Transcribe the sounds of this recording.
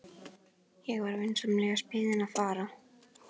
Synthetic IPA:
jɛɣvaɾvejnsamlɛːɣaspɪːðɪnaðfaːɾa

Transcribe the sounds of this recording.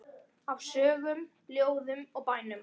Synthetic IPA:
avsœːɣʏm | ljoːwðʏmɔɣpaːjnʏm

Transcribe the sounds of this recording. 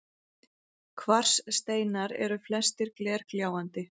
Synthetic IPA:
kʰvar̥sːt̪eːjnaɾɛ̰ɾʏflɛst̪ɪɾklɛːɾ̥kljaːwant̪ɪ

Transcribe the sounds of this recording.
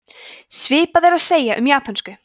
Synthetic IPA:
svɪːpaðeɾaðseːjaʔʏmjaːpʰanskʏ

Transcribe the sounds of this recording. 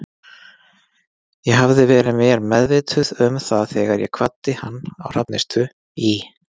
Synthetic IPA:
jɛɦavðɪvɛːɾɪmɛːɾmɛðvɪt̪ʰʏðʏmθaðθɛːɣaɾjɛkʰv̥at̪ːɪhanːa̰wr̥apnɪst̪ʏ | i

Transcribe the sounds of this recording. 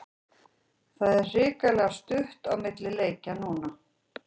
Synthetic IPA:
θaðɛrrɪːkalɛɣast̪ʏht̪awmɪt̪lɪleːjcanuːna

